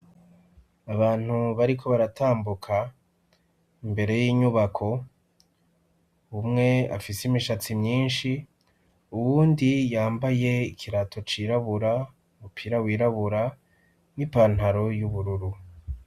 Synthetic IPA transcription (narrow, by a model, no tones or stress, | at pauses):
aβaːn̥huβaɾikʰo̞βaɾataːmbukʰa | imbe̞ɾe̞jiːɲuβakʰo̞ | umŋe̞a̰fisimiʃat͡simɲiːnʃi | uwuːndijaːmbaje̞ikʰiɾatʰo̞t͡ʃiːɾaβuɾa | umupʰiɾawiːɾaβuɾa | nwipan̥haɾo̞juβuɾuɾu